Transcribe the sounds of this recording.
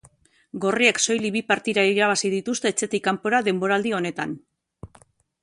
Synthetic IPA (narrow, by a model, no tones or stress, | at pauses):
ɡo̞rie̞kso̞jliβipaɾt̪iɾaiɾaβ̞asið̞it̪ust̪e̞ːt͡se̞t̪ikampo̞ɾaðe̞mbo̞ɾald̪io̞ne̞t̪an